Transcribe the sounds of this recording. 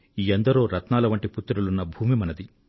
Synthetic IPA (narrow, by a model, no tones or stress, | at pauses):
iːɐnd̪ɐɾoːɾɐt̪naːlɐʋɐɳʈiput̪ːɐɾulunːɐbʱuːmimɐnɐd̪i